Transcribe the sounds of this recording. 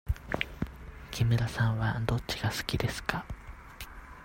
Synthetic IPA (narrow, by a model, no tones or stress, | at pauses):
kʲimɯ̟ɾasãɰ̃βad̪o̞tt͡ɕiɡ̥asɨ̥kʲid̪e̞sɨ̥kʰa